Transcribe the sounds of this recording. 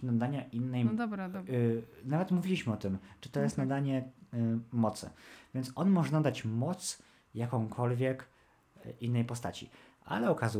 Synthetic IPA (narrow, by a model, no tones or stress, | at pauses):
nad̪aɲaʔinːɛj | navɛt̪muvʲilʲiɕmɘɔt̪ɘmt͡ʂɨt̪ɔjɛst̪nad̪aɲɛ | mɔt̪sɘ̰vʲjɛnt̪sʔɔnmɔʐɛnad̪at͡ɕmɔt̪s | jakɔ̃w̃kʰɔlvʲjɛk | ʔinːɛjpɔst̪a̰t͡ɕḭ | a̰lɛɔkazu